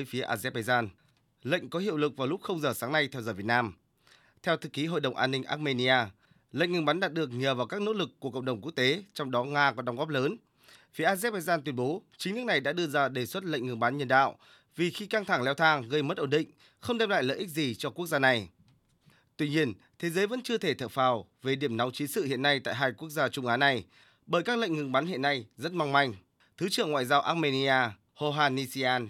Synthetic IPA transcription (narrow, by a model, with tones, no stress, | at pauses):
əː˨˦jfi˨˦əʔaː˧zɛ˦˥ɓaː˧jzaː˧n | lə̰˧˨jŋ̟kɔ˨˦ɦi˧˨əwlɨ˨˩k̚vaː˨˩lʊ˦˥k͡p̚xə˧wŋ͡mzəː˨˩saː˨˦ŋna˧jt̪ʰɛ˧wzəː˨˩vi˨˩t̚naː˧m | t̪ʰɛ˧wt̪ʰɨ˨˩k̚i˨˦ɦo̰˧˨ɗə˨˩wŋ͡mʔaː˧nːï˧ŋ̟ʔaː˦˥t̚me˧ni˧ʔaː˧ | lə̰˧˨ŋɨ˨˩ŋɓa˨˦nɗaː˨˩t̚ɗɨ˨˩ək̚ɲəː˨˩vaː˨˩wkaː˦˥k̚no̰˧˥lɨ˨˩kːu˨˩əkə̰˧˨ŋ͡mɗə˨˩wŋ͡mku˦˥ək̚t̪e˨˦t͡ɕɔ˧wŋ͡mɗɔ˨˦ŋaː˧kɔ˨˦ɗa˨˦wŋ͡mɣɔ˦˥p̚ləː˨˦n | fi˨˦əʔaː˧zɛ˦˥t̚ɓa˧jzaː˧nt̪wi˧əmɓo˨˦t͡ɕi˨˦ŋnɨ˦˥k̚na˨˩jɗa̰ː˧˥ɗɨ˧əzaː˧ɗe˨˩swə˦˥t̚lə̰˧˨ŋ̟ŋɨ˨˩ŋɓa˨˦nɲə˧˩nɗa̰ː˧˨wʔ | vi˨˩xi˧ka˧ŋt̪ʰa˧˩ŋlɛ˨˧wt̪ʰaː˧ŋɣə˧jmə˦˥t̚ʔo˧˩nɗḭ̈˧˨ŋ̟ | xə˧wŋ͡mɗɛ˧mla̰ː˧˨jlə̰ː˧˨ʔi˦˥k̚zi˨˩t͡ɕɔ˧ku˦˥ək̚zaː˧na˨˩j | t̪wi˧ɲi˧ən | t̪ʰe˨˦zəː˨˦jvə̰˧˥nt͡ɕɨ˧ət̪ʰe˧˩t̪ʰə̰˧˨˩faː˨˩wve˨˩ɗi˧˩əmna˨˦wt͡ɕi˨˦nsɨ̰˧˨hḭ˧˨ənːa˧jt̪a̰ː˧˨jɦaː˧jku˦˥ək̚zaː˧t͡ɕʊ˧ŋ͡mʔaː˨˦na˨˩j | ɓəː˧˩jkaː˦˥k̚lə̰˧˨jŋŋɨ˨˩ŋɓaː˨˦nhḭ˧˨ənːa˧jzə˦˥t̚ma˧wŋ͡mma˧jŋ̟ | t̪ʰɨ˨˦t͡ɕɨ̰˧˨əŋwa̰ː˧˨jzaː˧wʔaː˦˥t̚me˧ni˧ʔaː˧ | ho˧ɦaː˧ni˧si˧ʔaː˧n